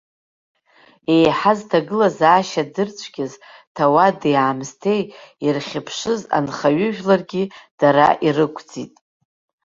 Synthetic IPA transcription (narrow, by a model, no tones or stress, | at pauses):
e̞jħaztʰaɡɨlazaːʃadɨrt͡sʷʰɡʲaztʰawadaːmstʰe̞jirχʲɪpʰʂɨza̰nχaɥʏʒᶣlarɡʲid̥aɾa̰ʔirɨkʷʰʼd͡zitʼ